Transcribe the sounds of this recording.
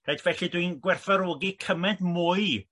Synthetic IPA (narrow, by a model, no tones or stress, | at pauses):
rejd̥vɛɬidwinɡwɛrθaɾoːɡikʰəmɛdmʊːɨ